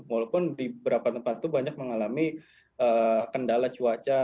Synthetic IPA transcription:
walawpʊndibəɾapat̪əmpat̪t̪ubaɲak̚məŋalami | ʔəːkəndalat͡ʃuat͡ʃa

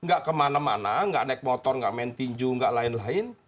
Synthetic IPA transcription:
ŋɡaʔkəmanama̰naŋɡa̰ʔnɛk̚mɔt̪ɔrŋɡa̰ʔmɛnt̪iɲd͡ʒuŋɡaʔlaɪnlaɪn

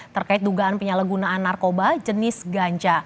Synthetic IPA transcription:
t̪ərkaɪt̪̚duɡaʔanpəɲalaɡunaːnːarkobad͡ʒənɪsɡaɲt͡ʃa

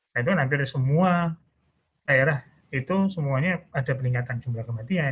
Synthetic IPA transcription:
ait̪̬ukanampɪrsəmua | ajalah | it̪usəmuaɲaadapəniŋat̪and͡ʒumblakəmat̪ia

